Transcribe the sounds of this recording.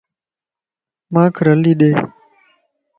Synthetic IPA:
mãːkʰɾəliːɗeː

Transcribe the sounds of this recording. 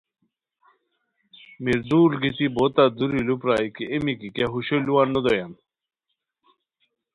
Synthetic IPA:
miɾd̪uːlɡit̪ibot̪ad̪uɾilupɾaːjkiemikikjaɦuɕoluwanːod̪ojan

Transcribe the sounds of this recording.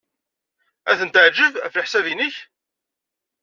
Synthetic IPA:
æθənt̪əʕd͡ʒəvəfləħsævinəç

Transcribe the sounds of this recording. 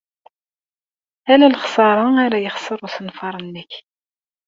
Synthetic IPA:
ælælχsˤɑɾˤɑaɾæjəχsˤəɾˤuθənfɑɾˤənːəç

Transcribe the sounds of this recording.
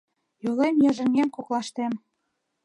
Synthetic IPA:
jolemjɑʒə̆ŋemkoklɑʃt̪em

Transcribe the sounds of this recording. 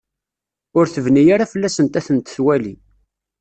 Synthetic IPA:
ʊɾθəvnijaɾafəlːæsənt̪æθənt̪θwælḭ

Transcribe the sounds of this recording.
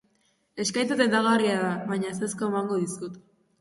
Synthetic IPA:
e̞skajt̪at̪end̪aɣariaðaβajɲaseskoemaŋɡo̞ðiskut̪

